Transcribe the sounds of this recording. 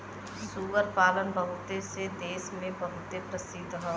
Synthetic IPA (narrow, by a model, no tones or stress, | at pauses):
suːʋəɾpaːlənbəɦʊt̪esed̪eːsmẽbɐɦʊt̪epɾəsɪd̪ɦɔː